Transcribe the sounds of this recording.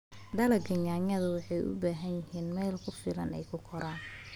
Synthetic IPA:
ɖɐlɐɡɐŋaːŋɐðʊwɑħɑjʔʊ̰baːɦɐnjɪɦiːnmɛːlkʰʊfɪlɐ̰nɛ̰jkʰʊkʰɔɾaːn

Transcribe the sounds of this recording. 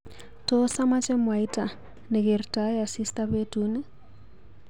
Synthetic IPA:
tosamat͡ʃʼɛmwaitʼa | nekertajasistaβetuːnɪ

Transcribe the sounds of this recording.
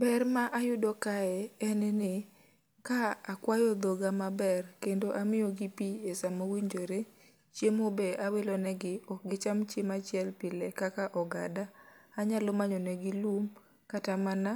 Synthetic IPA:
bɛrmaʔajʊdɔkaɛɛnnɪ | kaakwajɔd̪oɡamabɛrkendoʔamɪjoɡɪpiesamawiɲd͡ʒoɾe | t͡ʃjemobeawelonɛɡɪɔk̚ɡɪt͡ʃamt͡ʃemat͡ʃjɛlpɪlɛkakaʔɔɡadaːɲalɔmaɲɔnɛɡɪlum | katamana

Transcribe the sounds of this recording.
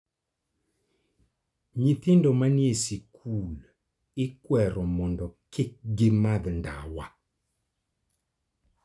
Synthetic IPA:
ɲitindɔmaniesikʰul | ɪkwɛɾɔmɔndɔkʰɪk̚ɡemaðnda̰wa

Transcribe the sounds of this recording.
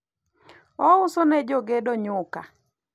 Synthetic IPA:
ɔʊsɔnɛd͡ʒoɡedoɲʊka

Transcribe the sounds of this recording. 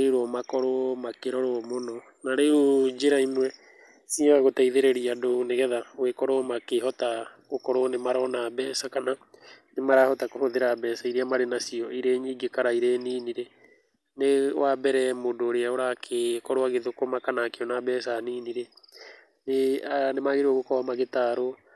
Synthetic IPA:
eɾwɔmakɔɾomakeɾɔɾoɔmonɔ | naɾeud͡ʒeɾainwɛ | siaɣotaiðeɾeɾiadoneɣɛðawekɔɾomakeɦɔta | okɔɾonemaɾɔnabɛːsakananemaɾahɔtakohoðeɾabɛːsaiɾeamaɾenasiɔiɾeɲiːɡekaɾaiɾeniːniɾe | newabɛɾɛmoːdoːɾeaoɾakʰekɔɾoaɣeðokomakanaːkeɔnabɛsaːniːniɾe | eanemaɣeɾeɔɣokɔɔmaɣetaːɾo

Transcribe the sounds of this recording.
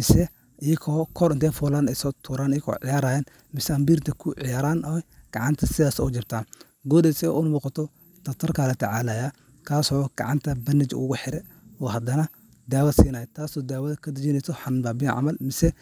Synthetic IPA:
mɪsɛ | ɪjkʰɔːkʰɔɾɪnt̪ʰɛfɔlanɛsɔt̪ʰuːɾaːnɪjkʰɔ̰ʕɪ̰jaːɾaːjɛn | mɪsɛambiːrt̪ʰɐkʰʊʕɪjaːɾaːnʔɔɛɡ̥ɑʕɑnt̪ʰɐsɪðaːsɔːd͡ʒɐb̚t̪ʰaːn | ɡɔdɛsɛʔʊnbɔːqɔt̪ʰɔ | t̪ʰɐt̪ʰɐrkʰalɐt̪ʰɛʕaːlaja | kʰaːsɔːɡ̥ɑ̰ʕɑnt̪ʰɐbɐnɛt͡ʃʊɣʊħɪɾɛ | ɔːɦɐd̪ɐnɐ | d̪aːwɐsiːnaːjɛt̪ʰaːsɔːd̪aːwɐðɐkʰɐd̪ɐd͡ʒɪnɛjt̪ɔħɐnbabɪʕa̰mɐlmɪsɛ

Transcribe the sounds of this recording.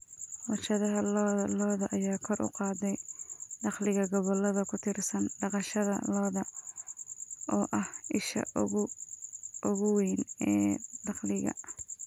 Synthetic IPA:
wɐt͡ʃɐðɐɦɐlɔlɔːðɐʔɐjaːkʰɔrʊ̰qɑːd̪ɛjɖɑχlɪɣɐɡɔβɔlɐðɐkʰʊt̪ʰɪrsɐnɖɑqɑʃɐðɐ̰lɔːðɐ | ʔɔːʔɐhɪʃɐ̰ | ʔʊɣʊwɛːnɛːɖɑχlɪɣɐ̰

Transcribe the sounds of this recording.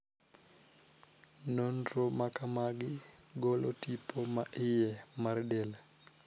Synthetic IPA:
nondɾomakamaɡɪɡɔlʔɔtipʰomaʔɪjɛmardɛla

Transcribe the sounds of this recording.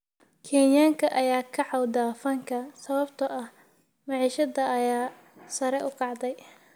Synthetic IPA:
kʰɛnjaːŋkʰɐʔɐjaːkʰɐʕɑwd̪aːfɐŋkʰɐsɐβɐbt̪ʰɐʔɐh | mɑʕiːʃɐd̪ɐʔɐjaː | sɐɾɛʔʊkʰɑʕd̪ɛj

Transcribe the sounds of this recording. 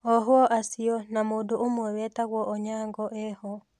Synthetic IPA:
ɔɦwɔʔasiɔnamodoʔomwɛwɛtaɣwɔʔɔɲaŋɡɔʔɛhɔ

